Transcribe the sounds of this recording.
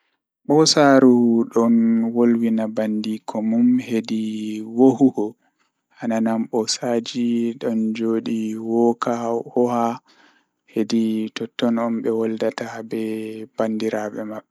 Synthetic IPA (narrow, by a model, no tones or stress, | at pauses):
ɓɔsaɾuɗɔnwolwinabandikʰɔmumhediwohuhɔ | ʔananamɓɔsaːd͡ʒiɗɔnd͡ʒoːɗiwɔkahɔha | heditɔtːɔnɔmɓɛwɔldatabɛb̥andiɾaɓɛmaɓːɛ